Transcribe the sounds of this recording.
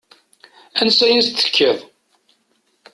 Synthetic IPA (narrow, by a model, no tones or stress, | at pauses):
ænsæjæst̪ːə̥kʰːəðˤ